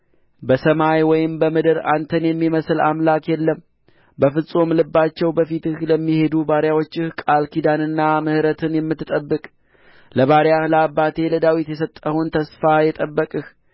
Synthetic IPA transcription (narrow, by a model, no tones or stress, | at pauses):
bəsəmajwɔjɪmbəmɨd̪ɨɾa̰nt̪ʰənjɛmːiməsla̰mlakjɛlːəm | bəfɨsʼomlɨbːat͡ʃːɛwbəfit̪ɨhləmːihe̞d̪ubaɾjawo̞t͡ʃːɨhkʼalkʰid̪anɨnːamɨhɾət̪ʰɨnjɛmːɨt̪ːɨt̪ʼəbːɨkʼ | ləβaɾjahləabːat̪ʰe̞ləd̪awit̪jɛsət̪ʼːəhunt̪ʰəsfajɛt̪ʼəbːəkʼɨh